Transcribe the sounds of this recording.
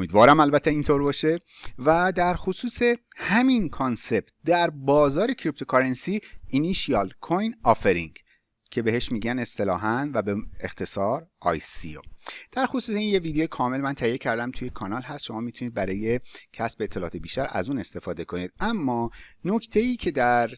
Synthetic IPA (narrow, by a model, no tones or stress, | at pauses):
omiːd̪vɒːɾæmælbæt̪ʰːeint̪ʰoɾbɒːʃe̞ | væd̪æɾxosuːse̞ | hæminkʰonse̞b̥̚t̪̚d̪æɾbɒːzɒːɾe̞cʰɾip̚t̪ʰokʰɒɾensiiniʃiɒlkʰojnɒːfeɾiŋɡ | cʰe̞behe̞ʃmiːɡɟæne̞st̪e̞lɒːɦænvæbeext̪ʰe̞sɒːɾɒ̰jsḭo̰d̪̥æɾxosuːseinjevid̪eoekʰɒːme̞lmænt̪ʰæhijːe̞cʰæɾd̪æmt̪ʰuje̞kʰɒnɒlhæst̪ʃo̞mɒːmit̪ʰuniːd̪̚bæɾɒːjecʰæsb̥eet̪ʰːelɒːt̪ʰe̞biːʃt̪æɾæ̰zuːne̞st̪e̞fɒːd̪e̞kʰo̞niːd̪æmːɒːno̞ct̪ʰe̞jiːcʰe̞d̪æɾ